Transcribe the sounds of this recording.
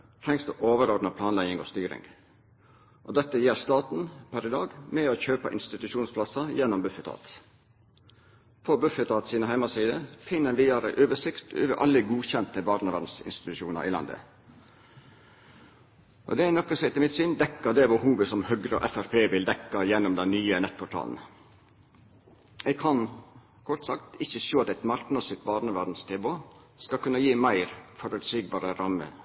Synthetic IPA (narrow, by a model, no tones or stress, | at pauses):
t̪ʰɾɛŋsd̪uːʔoːʋəɾɔd̪nəpʰlɑːnlæɪɪŋo̰ːst̪yːɾɪ̰ŋ | ʔɔd̪ɛt̪ːəjɛːɾst̪ɑːt̪n̩pʰæɾɪd̪ɑːɡmɛɔçøːpə̰ʔɪ̰nst̪ɪt̪ʉʃuːnspʰlɑsɑjɛnːɔmbʉfət̪ʰɑ̰ːt̪ | pʰobʉfət̪ʰɑːt̪siːnəɦæɪmɑsiːd̪əfɪnːənʋiːɑɾə̰ʔøːʋəʂɪkt̪ø̰ːʋəʔɑ̰lːəɡuːçɛnt̪əbɑːɾnəʋɑnsɪ̰nst̪ɪ̥t̪ʉʃuːnɑ̰ɾʔḭlɑ̰nd̪ə̰ | ʔɔ̰d̪ɛænɔkːəsɔɛɪt̪ɪmɪt̪synd̪ɛkːəd̪ɛbəhuːʋəsɔmhœɡɾəɔ̰ʔɛfæɾpʰeːʋɪld̪ɛkːɑjɛnɔmd̪ɛnnyːənɛt̪̚ːpʰʊʈʰɑ̰ːln̩ | ɛɪɡkʰɑn | kʰɔɾt̪sɑkt̪ɪçəʃoːɑt̪ɛt̪mɑɾknɑsɪt̪̚bɑːɾnəʋæɖ̪n̩st̪ʰɛːboː | skɑkʉnːɑjiːmæɪɾfɔɾʉːt̪syɡ̚bɑːɾəɾɑmə̰